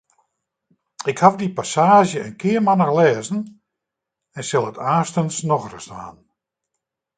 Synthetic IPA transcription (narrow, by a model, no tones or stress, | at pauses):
ɪkhavdipasaːʒjəənkʰɪːərmanaxlɛːzn̩ | ɛnsɪlˠətʰaːstənsnɔxrəsa̰ːn